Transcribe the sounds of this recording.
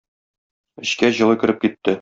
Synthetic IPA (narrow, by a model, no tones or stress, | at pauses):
ɘ̆ɕkæʑɤ̆lˠɤ̆kɘ̆ɾɘp̚kit̪ːɘ